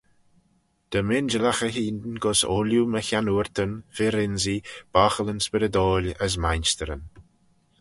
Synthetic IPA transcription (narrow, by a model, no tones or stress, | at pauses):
d̪̥əmɪnd͡ʒəlaxəɦiːnd̪ənɡɔso̰ːljuməçanuːɹt̪ənfeɾɪnzib̥axələnspɪɾəd̪ɔːlʲəs̬majnst̪əɾən